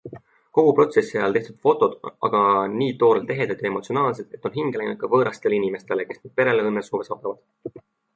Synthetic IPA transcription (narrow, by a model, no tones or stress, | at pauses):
ko̞ɡ̥upro̞t̪se̞sːiɑjɑlt̪e̞ht̪ud̪̥fo̞t̪ːˑo̞d̪̥ɑ̰ɡ̥ɑniːt̪o̞ːɾelt̪ːe̞ɦed̪̥ɑt̪ʲjɑe̞mo̞t̪sio̞nɑːlse̞d̪̥e̞t̪ːˑonɦiŋɡ̥elejnut̪̚kɑvɤːɾɑst̪e̞linime̞st̪e̞leke̞snyd̪̥̚pe̞ɾeleɤnːesoːve̞sɑːt̪ːˑɑvɑd̪̥